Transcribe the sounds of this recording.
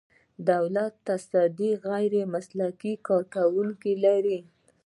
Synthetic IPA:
d̪awlat̪ːasɑd̪iɣajɾemaslakikɑɾkawuŋkelaɾi

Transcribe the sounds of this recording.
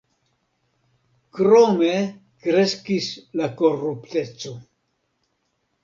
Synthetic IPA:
kɾome̞ | kɾe̞skislako̞rupte̞t͡so̞

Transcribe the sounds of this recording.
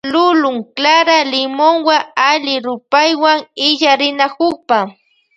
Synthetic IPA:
lʊlʊŋklaɾalɪmoŋwaalɪɾʊpajwaŋɪʎaɾɪnakʊχpa

